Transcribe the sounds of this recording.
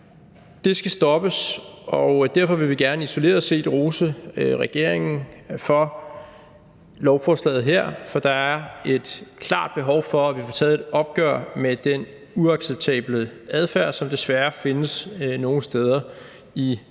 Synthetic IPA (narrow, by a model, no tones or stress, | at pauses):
d̥e̝sɡ̥æsd̥ɒ̽b̥əsɒd̥æɐfɒ̽ʋe̝ʋiɡ̥æɐnəiso̝le̝ːɐðˠse̝̰ːd̥ʁusəʁɛɡ̥e̝ɐ̰eŋn̩fɒ̽ | lɒʊfɒːslɛ̰ːð̩ˠɦeɐ̰fɒ̽d̥ɑ̈æɐe̝d̥kʰlɑ̰̈ːd̥̚b̥e̝ɦɒʊfɒ̽æʋifɒt͡sʰɛːð̩ˠed̥ɒ̽b̥̚ɡ̥œɐmed̥en | uɑ̈ɡ̥seb̥̚t͡sʰɛ̰ːb̥ləæð̞ˠfæɐ̰sɒ̽md̥e̝sʋæɐfe̝nəsno̝ːŋ̩sd̥eð̞ˠɐ | i